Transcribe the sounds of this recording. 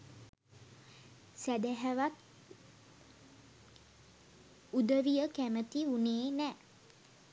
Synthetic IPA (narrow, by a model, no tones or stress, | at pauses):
sæd̪æɦæʋat̪̚ | ud̪əʋijəkæmət̪iuneːnɛ